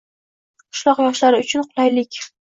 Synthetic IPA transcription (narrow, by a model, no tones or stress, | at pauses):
qʰʊ̥ʃlˠɒqjɒʃlaɾɪʊt͡ʃʰʊnqʰʊlˠajlɪkʲ